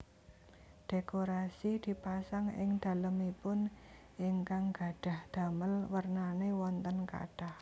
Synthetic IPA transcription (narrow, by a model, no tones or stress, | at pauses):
ɖ̥ekoɾasid̪̥i̤pasaŋɪ̰ŋd̪̥a̤ləmipʊn | ʔɪŋkaŋɡ̥a̤ɖ̥a̤hd̪̥a̤məlwərnanewɔnt̪ənka̰ɖ̥ah